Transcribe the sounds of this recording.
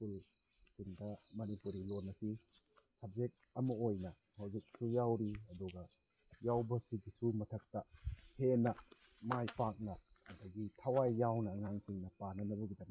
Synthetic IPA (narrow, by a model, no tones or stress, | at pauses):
pul | siŋdɐmɐnipuɾilonːɐsi | sɐb̚zek̚ɐmɐojnɐhawzik̚sujawɾiɐduɡɐ | jawbɐsiɡisumɐtʰɐk̚tɐhenɐ | majpak̚nɐːdɐɡitʰɐwajːawnɐŋansiŋnɐpanɐnɐbuɡidɐm